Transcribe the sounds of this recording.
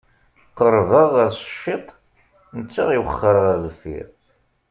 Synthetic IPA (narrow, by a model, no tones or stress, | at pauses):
qəɾˤvəʁːəɾsə̥ʃːɪt̪ˤ | nət͡sːaʁiwəχːəɾʁəðəfḭɾ